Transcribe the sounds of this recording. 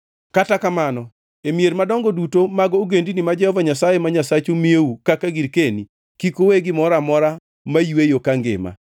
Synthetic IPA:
katakamanɔ | emijeɾmadɔŋɡɔdutomaɡɔoɡendinimad͡ʒɛhɔvaɲasajemaɲasat͡ʃumieukakaɡiɾkeni | kikoweɡɪmɔɾamɔɾa | majwejokaŋɡɪ̰ma̰

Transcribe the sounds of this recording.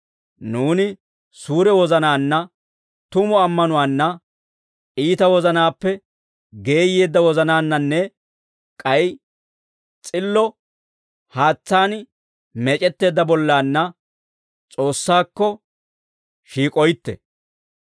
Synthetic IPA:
nuːnɪ | suːɾɛwɔzɐnaːnːɐ | t̪ʊmɔɐmːɐnʊwaːnːɐ | iːt̪ɐwɔzɐnaːpːɛ | ɡe̞ːjːeːd̪ːɐwɔzɐnaːnːɐnːɛ | kʼɐj | t͡sʼɪlːɔ | haːt͡sːaːn | mɛt͡ʃʼɛt̪ːe̞ːd̪ːɐbɔlːaːnːɐ | t͡sʼo̞ːsːaːkːɔ | ʃiːkʼɔjɪt̪ːɛ̰

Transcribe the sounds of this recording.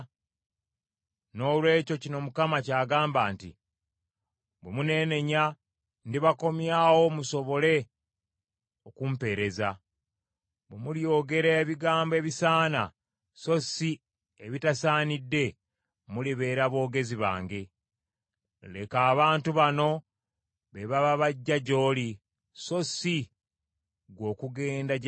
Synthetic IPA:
no̞ːlwe̞ːco̞cino̞mukamacaːɡaːmbaːntḭ | βemune̞ːne̞ɲa | ndiβako̞mjaːwo̞muso̞βo̞le̞ | okumpe̞ːɾe̞za | βemuljo̞ːɡe̞ɾeβiɡaːmboe̞ːβisaːna̰ | so̞si | eβitasaːnidːe̞ | muliβe̞ːɾaβo̞ːɡe̞ziβa̰ːŋɡe̞ | le̞kaːβaːntuβano̞ | βeβaβaβaɟːaɟo̞ːli | so̞si | ɡwo̞ːkuɡe̞ːnda

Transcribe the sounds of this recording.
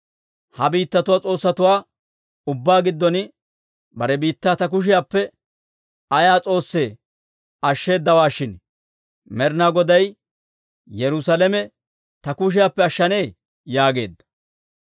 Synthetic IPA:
hɐbiːt̪ːɐt̪ʊwaːt͡sʼo̞ːsːɐt̪ʊwaː | ʊbːaːɡɪd̪ːɔn | bɐɾɛbiːt̪ːaːt̪ɐk̬ʊʃ̬ɪjaːpːɛ | ɐjaːt͡sʼo̞ːsːe̞ː | ɐʃːe̞ːd̪ːɐwaːʃɪn | mɛɾnaːɡɔd̪ɐj | jɛɾʊsalɛmɛ | t̪ɐkʊʃ̬ɪjaːpːɛɐʃːɐne̞ː | jaːɡe̞̰ːd̪ːɐ̥

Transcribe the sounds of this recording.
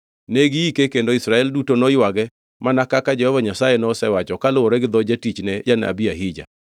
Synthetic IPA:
neɡiikekendoisɾaɛldutonɔjwaɡɛ | manakakad͡ʒɛhɔvaɲasajenɔsɛwat͡ʃɔkalooɾɛɡɪd̪ɔd͡ʒatit͡ʃnɛjana̰biaɦid͡ʒa̰

